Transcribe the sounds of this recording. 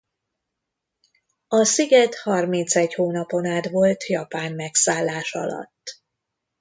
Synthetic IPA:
ɒsiɡɛt̪hɒrmint̪sɛɟhoːnɒpo̞naːt̪ʋo̞lt̪jɒpaːmmɛksaːlːaːʃɒ̰lɒ̰t̪ː

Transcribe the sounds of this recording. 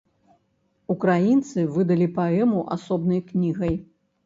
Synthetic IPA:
ukɾajint̪sɨvɨd̪ɐlʲipaɛmuʔa̰sɔbnɐjknʲiɣɐj

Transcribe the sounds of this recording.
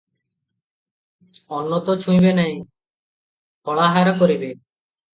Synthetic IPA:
ɔnːot̪ot͡ɕʰũjbenɛj | pɔɭaɦaɾakoɾibe

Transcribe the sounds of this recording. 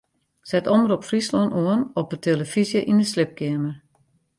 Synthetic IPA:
sɛtɔməɾɔpfrislɔnʔoənɔpətʰeləfizjəʔinəslɪp̚kɪəmər

